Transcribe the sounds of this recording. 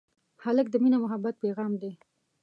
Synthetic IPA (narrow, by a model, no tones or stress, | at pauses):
halək̚d̪əminamʊɦabːat̪̚peɣɑmd̪e